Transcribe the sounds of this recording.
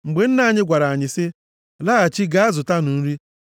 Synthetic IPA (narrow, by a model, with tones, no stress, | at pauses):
ŋ͡m̩˨ɡ͡be˨n̩˦na˦˨ɲɪ˦ɡʷa˨ɾa˨a˨ɲɪ˨sɪ˦ | la˦a˨t͡ʃi˦ɡa˦a˦zʊ˨ta˦nʊ˨n̩˦ɾi˦